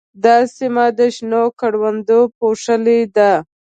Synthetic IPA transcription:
d̪ɑsimad̪əʃnokaɽwand̪opoʂəled̪a

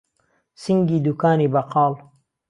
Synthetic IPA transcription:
siŋɡiːd̪ukaːniːbɐqʰɑːl

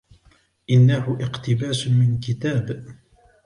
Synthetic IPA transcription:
ʔɪnːahʊʔɪqt̪ɪbaːsmɪnkɪt̪aːb

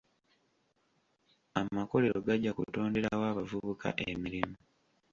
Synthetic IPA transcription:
amako̞le̞ɾoɡaɟːakṵto̞ːnde̞ɾawaːβavuβukʰa̰ʔemiɾimu

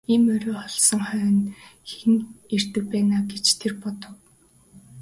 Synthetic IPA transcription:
imœɾʲɵːχɔɮsɞ̆ŋχœːnxiner̥t̪ɘ̆wpæːnaːɡet͡ɕt̪ʰerpɔt̪ɞ̆w

